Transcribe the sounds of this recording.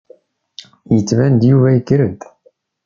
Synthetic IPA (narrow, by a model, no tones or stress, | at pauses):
jət͡sːvænd̪juvæjəkːɾəd̪